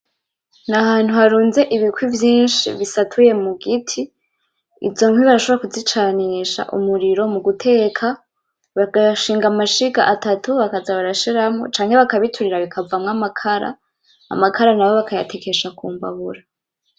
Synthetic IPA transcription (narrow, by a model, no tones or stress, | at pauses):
nahaːn̥huhaɾuːnze̞ʔiβikwivjiːnʃḭβisatʰuje̞muɡitʰi | ḭvzo̞ŋwiβaɾaʃoβɾakuzit͡ʃaniʃa̰ʔṵmuɾiɾo̞muɡutʰe̞ːkʰa | βaɡaʃiːŋɡamaʃika̰ʔatatuβakazaβaɾaʃiɾamŋo̞̰t͡ʃaːŋ̥he̞βakaβitʰuɾiɾaβikʰavamŋamakʰaɾa̰ː | makʰaɾanaβo̞βakʰaja̰tʰe̞ke̞ʃakṵːmba̰βuɾa